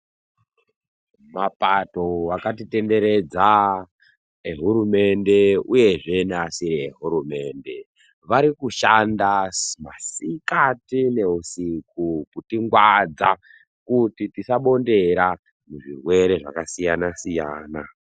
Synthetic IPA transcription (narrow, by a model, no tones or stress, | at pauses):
mapato̞wakatite̞nde̞ɾe̞d͡za | eɦuɾume̞nde̞uje̞ʐe̞neasiɾieɦuɾume̞nde̞ | ʋaɾikuʃandamasikatine̞usikukutiŋɡwad͡za | kutitisaɓo̞nde̞ɾa | muʐirwe̞ɾe̞ʐa̰kasijanasijaːna